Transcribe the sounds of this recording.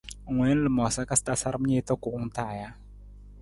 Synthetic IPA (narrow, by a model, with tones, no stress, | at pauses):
ŋʷwɛ˨˦n̩˦lɨ˨mɔ˨sa˦ka˦sta˦sa˦ɾə˦m˦ɲe˦tɔ˦kʊ˨ʔʊ˦ŋ˦ta˦˨ja˦